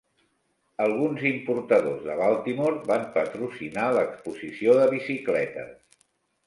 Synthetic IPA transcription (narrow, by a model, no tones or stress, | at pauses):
əlˠɣunzimpuɾt̪əðozðəβalˠt̪imoɾbampət̪ɾusinaləkspuzisioðəβisiklɛt̪ə̰